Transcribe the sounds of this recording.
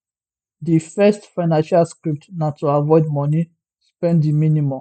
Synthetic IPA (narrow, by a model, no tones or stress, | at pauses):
difɛstfaɪnãnʃalskɹip̚tnatʰuavɔɪdmɔni | spɛ̃nddiminimɔ̃m